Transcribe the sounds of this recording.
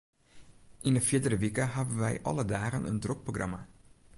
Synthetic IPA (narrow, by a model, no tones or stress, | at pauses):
ʔɪnəfɪdəɾəʋikəɦɑdənʋɛ̰jʔɑ̰lədaːɣənʔə̰ndrok̚proxrɑma